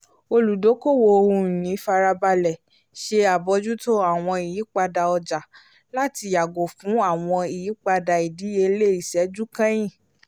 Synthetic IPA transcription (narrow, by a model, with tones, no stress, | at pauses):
o˧lu˨do˨˦ko˦˨wo˧o˧hũ˧˨nĩ˨˦fa˧ɾa˧ba˧lɛ˨ | ʃe˧a˨bɔ˨˦d͡ʒu˦to˦a˦˨w̃ɔ̃˧i˨ji˨˦k͡pa˧da˧ɔ˧d͡ʒa˨ | la˦ti˧ja˨ɡo˨fũ˨˦a˦˨w̃ɔ̃˧i˨ji˨˦k͡pa˧da˧i˨di˨˦e˧le˦˨i˨sɛ˨˦d͡ʒu˦kã˦j̃ĩ˦˨